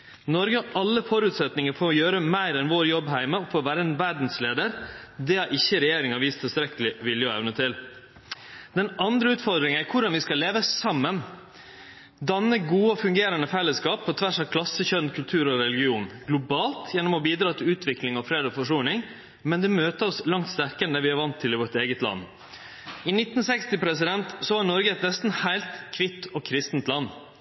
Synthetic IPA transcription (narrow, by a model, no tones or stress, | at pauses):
nɔɾɡəʔɑlːəfɔɾʉːt̪sɛt̪nɪŋəɾfoːjøːɾəmæɪɾɛnʋoːɾjɔbɦæɪməɔfoːʋæːɾəeːnʋæɾɖn̩sleːd̪əɾd̪ɛhɑɾʔɪçːəɾɛjeːɾɪŋɑʋiːst̪ʰːɪlst̪ɾɛkəlɪʋɪljəɔɛ̰ʋnət̪ʰɪl | d̪̥ɛnɑnd̪ɾəʉːt̪fɔɾd̪ɾɪŋənæɾkʰʊɖɑnʋɪskɑlːeːʋəsɑmːən | d̪ɑnːəɡuːəɔfʉŋɡeːɾənəfɛlːəskɑːpʰːɔt̪ʰʋæʂɑʋkʰlɑsəçœnkʰʉlt̪ʰʉːɾɔɾɛlɪɡɪuːnɡ̥lʊbɑːlt̪ʰjɛnːɔmɔbiːd̪ɾɑːt̪ʰɪlʉːt̪ʰʋɪklɪŋɑfɾeːd̪ɔfɔʂuːnɪŋ | mɛnd̪ɛmøːt̪əɔslɑŋt̪st̪æɾkənd̪əʋɪɑɾʋɑnt̪ʰːɪlɪʋɔʈeːɡət̪lɑ̰n | ɪnɪt̪ːn̩sɛkst̪ɪpʰɾɛsɪd̪ɛnt̪sɔhɑnɔɾɡəɛt̪nɛst̪n̩hæɪlt̪kʰʋɪt̪ʰːɔkʰɾɪst̪nt̪lɑnː